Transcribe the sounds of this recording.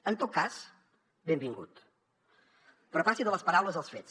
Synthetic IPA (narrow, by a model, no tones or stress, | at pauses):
ənt̪ot̪̚kas | bembiŋɡṵt̪ | pɾɔfasiðələspəɾawləzəlˠsfet͡s